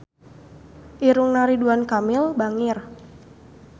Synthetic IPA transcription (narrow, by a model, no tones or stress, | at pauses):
ʔiɾuŋnaɾiduankamɪlbaŋɪr